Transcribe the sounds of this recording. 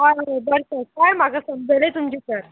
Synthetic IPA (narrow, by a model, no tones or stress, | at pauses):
ɦajabəɾsəkajmaɡasəmd͡zʱalet̪umt͡ɕesəɾ